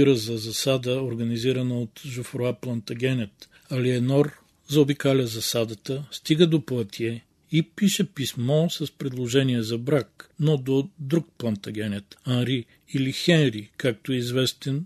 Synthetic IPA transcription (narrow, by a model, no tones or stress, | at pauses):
iɾəzɐzɐsad̪əoɾɡɐniziɾɐnɐot̪ʒʊfɾoaplˠɐnt̪ɐɡʲɛnʲɛt̪ | ɐliɛnɔɾ | zɐobikalʲɐzɐsad̪ət̪əst̪iɡəd̪oplˠɐt̪iɛ | ipiʃɛpismɔsɐspɾɛd̪lˠoʒɛniɛzɐbɾaknod̪od̪ɾuk̚plˠɐnt̪ɐɡʲɛnʲɛt̪anɾi | ilixɛnɾikak̚t̪oɛizvɛst̪ɛn